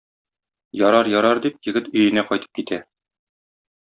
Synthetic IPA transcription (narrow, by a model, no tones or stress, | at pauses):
jɒɾɑɾjɒɾɑɾd̪ip̚jɘ̆ɡɘt̪ɵ̆jɘ̆næqɒjt̪ɤ̥p̚kit̪æ